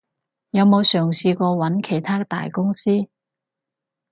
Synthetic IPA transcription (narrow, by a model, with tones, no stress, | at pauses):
jɐ˨˧wmo˨˧wsœː˨˩ŋsiː˧kʷɔː˧wɐ˨˥nkʰe˨˩jt̪ʰaː˥t̪a̰ː˨˩jkʊ˥ŋsiː˥